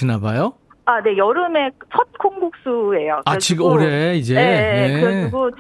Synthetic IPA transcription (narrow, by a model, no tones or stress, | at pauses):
inabajo | ane̞jʌɾɯme̞t͡ɕʰʌt̚kʰoŋɡok̚s͈ue̞joaet͡ɕʰiɡɯoɾe̞id͡ʑeneɯɾiɡo